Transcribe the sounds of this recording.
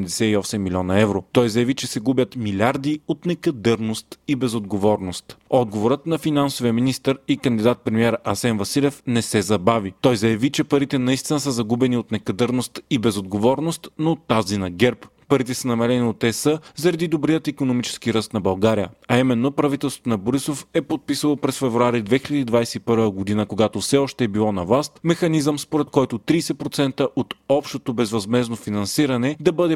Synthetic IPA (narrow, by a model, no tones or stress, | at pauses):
md̪ɛsɛiɔsɛmːilʲiɔnɐɛvɾot̪ɔjzɐjɐvit͡ʃɛsɛɡubʲət̪milʲaɾd̪iot̪nɛkɐd̪əɾnost̪ibɛzod̪ɡovɔɾnost̪ɔd̪̚ɡovoɾət̪nɐfinansovijəminist̪əɾikɐnd̪id̪at̪̚pɾɛmiɛɾəʔɐsɛnvɐsilʲɛfnɛsɛzɐbavit̪ɔjzɐjɐvit͡ʃɛpɐɾit̪ɛnɐist̪inəsəzɐɡubɛniot̪nɛkɐd̪əɾnost̪ibɛzod̪ɡovɔɾnost̪noːt̪ːazinɐɡɛɾppɐɾit̪ɛsənɐmɛɾɛniot̪ɛsəzɐɾɐd̪id̪obɾijət̪ikonomit͡ʃɛ̥skiɾəst̪nɐbɐlˠɡaɾijə̰ɐimɛnːopɾɐvit̪ɛlˠst̪ot̪onɐboɾisofɛpot̪̚pisəlˠopɾɛsfɛvɾuaɾid̪vɛxilʎʲəd̪iːd̪vajsɛipɤɾvəɡod̪inəkoɡat̪ofsɛɔʃt̪ɛːbilˠɔnɐvlˠast̪mɛxɐnizəmspoɾɛt̪kɔjt̪ot̪ɾiːsɛpɾot̪sɛnt̪əʔot̪ɔpʃt̪ot̪obɛzvɐzmɛznofinɐnsiɾɐnɛd̪ɐbɤd̪ɛ